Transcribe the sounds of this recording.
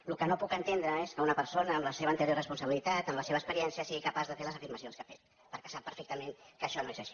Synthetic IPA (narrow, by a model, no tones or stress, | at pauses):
lukənopukənt̪end̪ɾəeskəunəpəɾsonəːmləseβəːnt̪əɾjorəspunsəβilit̪at̪əmləseβ̞əkspəɾiɛnsiəsiɣikəpazðəfeləzəfiɾməsionskafet̪̚ | pəɾkɛ̥sapːəɾfek̚t̪əmeŋkəʃɔnoezəʃi̥